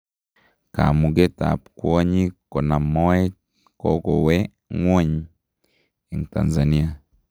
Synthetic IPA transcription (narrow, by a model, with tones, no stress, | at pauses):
ka̰˨mu˨ɡe˦ta̰˨pkwa˦ɲi˦kɔ˨na˨mɔ˦ɛ˦ | kɔ̰˦kɔ˨wɛ˦ | ŋwɔ˦ɲ | e˨ŋta̰˨nza˨ni˦a˨